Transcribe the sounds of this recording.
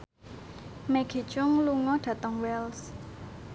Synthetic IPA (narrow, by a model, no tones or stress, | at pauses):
mɛɡ̥i̤t͡ʃʊŋluŋɔɖ̥ä̤t̪əŋwɛls